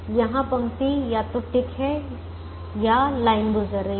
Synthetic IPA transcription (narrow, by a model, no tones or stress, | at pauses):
jɐɦãpɐ̃ŋɡt̪ijat̪oʈɪkɦɛ | jalaːɪnɡʊzəɾe